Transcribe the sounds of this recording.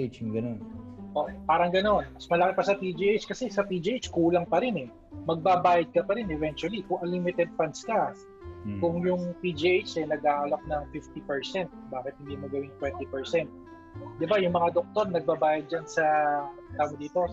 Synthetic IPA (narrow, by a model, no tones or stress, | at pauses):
t͡ʃŋɡɐnonʔoːʔopaːɾɐŋɡɐno̞nmɐsmɐlɐkɪpɐsɐpid͡ʒiʔejt͡ʃkɐsɛsɐp̪id͡ʒiʔejt͡ʃkuːlɐŋpɐɾɪnɛ | mɐɡ̚babaːjɐd̪̚kɐpɐɾɪnɛvɛnt͡ʃuɐlikʊŋʔɐlimɪt̪ɛd̪̚fɐnskɐ | kʊŋjʊŋp̪id͡ʒiʔejt͡ʃɛnɐɡaːɐlɐk̚nɐŋfɪft̪ipɛɹsɛnt̪̚baːkɪt̪̚hɪnd̪iːmoɡɐwɪnt̪wɛnt̪ipɛɹsɛnt̪̚ | d̪ɪbajʊŋmɐŋad̪ok̚t̪o̞ɾnɐɡ̚babaːjɐd̪̚d͡ʒɐnsɐt̪aːmod̪iːt̪o̞